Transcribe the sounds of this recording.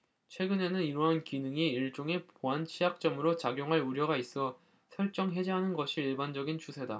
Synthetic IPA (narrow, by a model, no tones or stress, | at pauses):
t͡ɕʰwe̞ɡɯne̞nɯniɾwʌɦankinɯŋiiɭt͡ɕ͈oŋe̞poant͡ɕʰiak̚t͡ɕ͈ʌmɯɾot͡ɕaɡjoŋɦaɭuɾjʌɡais͈ʌ | sʰʌɭt͡ɕ͈ʌŋɦe̞d͡ʑeɦanɯnɡʌɕʰiiɭband͡ʑʌɡint͡ɕusʰe̞da